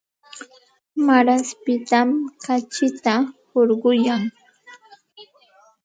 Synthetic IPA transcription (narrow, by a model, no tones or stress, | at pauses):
maɾaspɪt̪amkat͡ʃɪt̪ahoɾɢʊjaŋ